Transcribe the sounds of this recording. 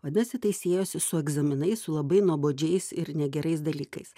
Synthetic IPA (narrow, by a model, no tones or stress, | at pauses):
ʋɐd̪ʲɐsʲɪt̪ɐɪsʲeːjoːsʲɪsʊɛɡzɐmʲɪnɐɪsʊlˠɐbɐɪnuɔboːd͡ʒʲɛɪsɪɾnʲɛɡʲɛɾɐɪs̬d̪ɐlʲiːkɐɪs